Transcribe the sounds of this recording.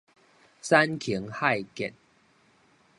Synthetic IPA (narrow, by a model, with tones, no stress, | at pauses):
sa˦nkʰi˨˦ŋha˥˧jkɛ̰˨n